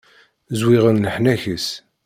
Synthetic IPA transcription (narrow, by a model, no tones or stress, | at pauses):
zwɪʁənləħnæçəs